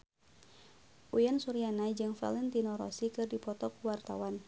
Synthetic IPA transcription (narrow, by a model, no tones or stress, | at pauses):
ʔujansuɾianad͡ʒɨŋfa̰lɛnt̪inɔɾɔ̰sikɨrdipɔt̪ɔkuwart̪a̰wan